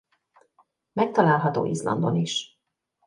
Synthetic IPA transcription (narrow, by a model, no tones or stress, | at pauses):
mɛk̚t̪ɒlaːlɦɒt̪o̰ːʔizlɒ̰nd̪o̞niʃ